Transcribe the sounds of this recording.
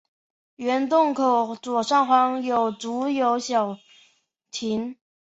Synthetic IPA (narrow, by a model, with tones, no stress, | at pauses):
ɥɛ˧˥nt̪ʊ˥˩ŋkʰo˨˩ʊt͡swɔ˨˩ʂɑ˥˩ŋxwɑ˧˥ŋjo˨˩ʊt͡su˧˥jo˧˥ʊɕjɑ˨˩ʊ | t̪ʰi˧˥ŋ